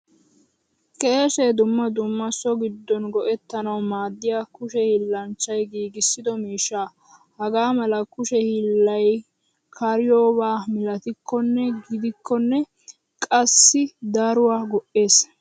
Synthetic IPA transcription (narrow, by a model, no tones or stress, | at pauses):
kʼe̞ːʃed̪ʊmːɐd̪ʊmːɐsːɔɡɪd̪ːɔnɡɔʔɛt̪ːɐnɐwmaːd̪ːɪjaːkʊʃɛhilːɐnt͡ʃːɐjɡiːɡɪsːɪd̪ɔmiːʃːaː | hɐɡaːmɐlɐkʊʃɛhilːɐj | kʰɐɾɪjo̞ːbaːmɪlɐt̪ɪkːɔnːɛɡɪd̪ɪkʰːɔnːɛ | kʼɐsːɪd̪ɐɾʊwaːɡɔʔe̞ːs